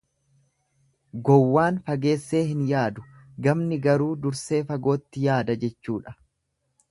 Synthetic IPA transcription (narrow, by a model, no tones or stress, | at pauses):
ɡɔwːaːnfɐɡe̞ːsːe̞ːɦɪnjaːd̪ʊ̥ | ɡɐmnɪɡɐɾuːd̪ʊɾse̞ːfɐɡo̞ːt̪ːɪjaːd̪ɐd͡ʒɛt͡ʃːuːᶑɐ̥